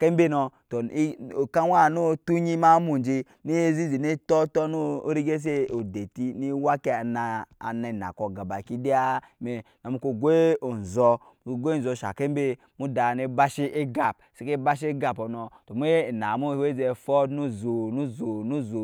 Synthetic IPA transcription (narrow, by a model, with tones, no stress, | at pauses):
ke˦mbe˦nɔ˨to˨i˦o˨ka˦wa˦˨no˦tu˦ɲi˦ma˦mu˨n˨d͡ʒi˦ | ni˦e˦zi˦zi˨ni˦tɔ˦tɔ˦no̰˦ɾi˦ɡe˦s̬e˦o˨de˨ti˦ni˦wa˦ke˦˨na˨a̰˨ne˨na̰˨ko˨ɡa˨ba˨ki˦di˦a˦ | me˨ | no˨mu˦ko˨ɡe˦o˨n̩˨zɔ˦˨˦ | ɡʷe˦˨zɔ˨ʃa̰˨ke˦m˦be˦ | mu˦da˨ne˦ba˦ʃi˦ʔe˦ɡa˨p̚si˦ke˦ba˦ʃ̬ɡa˨pɔ˨nɔ˨to˨m˦e˦˨na˨mu˦we˦ze˨fɔ˦nu˦˨zo˨nu˦zo˨nu˦zo˨